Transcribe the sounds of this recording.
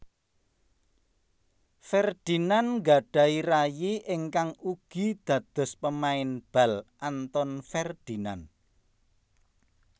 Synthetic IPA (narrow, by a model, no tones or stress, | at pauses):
fɛrd̪̥i̤nanŋɡa̤ɖ̥ä̤iɾajiʔɪŋkaŋuɡ̥i̤d̪̥ä̤d̪̥ɔ̤spəmaɪnb̥a̤lʔant̪ɔnfɛrd̪̥i̤nan